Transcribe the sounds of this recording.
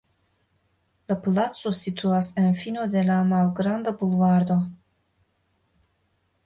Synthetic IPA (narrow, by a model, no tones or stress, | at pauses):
laplat̪so̞sit̪ʰuasenfino̞d̪e̞lamalɡɾand̪abulvaɾd̪o̞